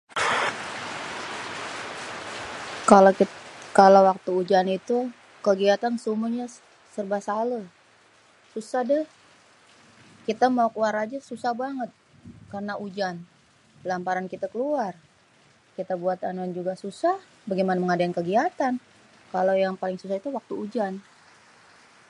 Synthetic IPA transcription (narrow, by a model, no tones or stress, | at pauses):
kalkalawak̚t̪uːd͡ʒanit̪u | kəɡiat̪ansumuɲa | sərbahsalə | susahdəh | kit̪amaukluaɾad͡ʒasusahbaŋət̪̚karnaʔud͡ʒan | lampaɾankit̪akəluar | kit̪abuat̪anuand͡ʒuɡasusah | baɡimanaməŋadaankəɡiat̪an | kalojaŋpalɪŋsusahit̪uwak̚t̪uːd͡ʒan